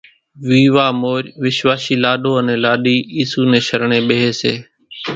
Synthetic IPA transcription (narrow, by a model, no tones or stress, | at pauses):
ʋiːʋaːmoːɾʋɪʃʋaːʃiːlaːɗoːənẽːlaːɗiːiːsuːnẽːʃəɾɳẽːɓeɦeːsḛː